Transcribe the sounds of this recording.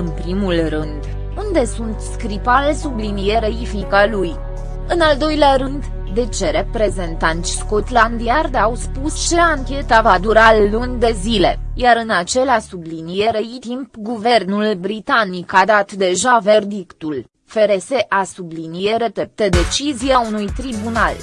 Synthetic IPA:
ɨnpɾimulrɨnd̪ | und̪e̞sunt̪skɾipalesublinije̞ɾeifnikaluj | ɨnald̪o̞jleaɾɨnd̪ | d̪e̞t͡ʃe̞ɾe̞pɾe̞ze̞nt̪ant̪sʲskot̪land̪iard̪awspust͡ʃe̞aŋkʲe̞t̪avad̪uɾalːunʲd̪e̞zile̞̰jaɾɨnat͡ʃe̞lasublinijeɾeit̪impɡuve̞rnulbɾit̪anikad̪at̪d̪e̞ʒave̞rd̪ikt̪ul | fe̞ɾe̞se̞ʔasublinijeɾe̞t̪e̞p̚t̪ed̪e̞t͡ʃizijaunujt̪ɾibunal

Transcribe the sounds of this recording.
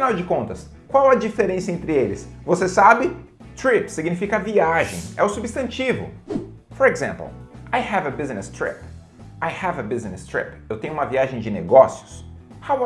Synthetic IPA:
finawd͡ʒɪkõnt̪ɐs | kwawad͡ʒifeɾẽsiɐẽnt̪ɾɪelɪsvosesabɪ | t̪ɾipsiɡnifikɐviaʒḛ̃j̃ɛʊsubist̪ɐ̃nt͡ʃivʊ̰foɾeɡzḛ̃mplajhɛvɐbiznɪst̪ɾḭp | ajhɛvɐbiznɪst̪ɾḭpewt̪ẽj̃ʊũmɐviaʒẽj̃d͡ʒɪneɡɔsiʊ̥s | haw

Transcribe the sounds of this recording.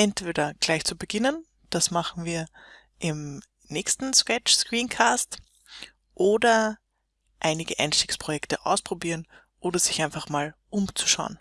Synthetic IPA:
ʔɛntv̥eːdɐɡ̥laɪçt͡subəɡɪnən | d̥asmaχn̩viːɐ | ʔɪm | nɛːçstn̩skɛt͡ʃskʁ̥iːnkʰaːst | ʔoːdɐ | ʔaɪnɪɡəʔa̰ɪnʃtikspʁ̥ojɛktəʔa̰ʊspʁ̥obiːʁən | ʔoːdɐzɪçʔaɪnfaχmaːlʔʊmt͡su̥ʃa̰ʊn

